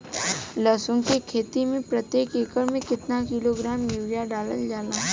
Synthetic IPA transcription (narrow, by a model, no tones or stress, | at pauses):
ləːsʊ̃ŋɡkekʰeːt̪imẽpɾət̪jeːkeːkəɾmẽkɪt̪nakiloɡɾaːmjuːɾjaɖaːləld͡ʒaːlaː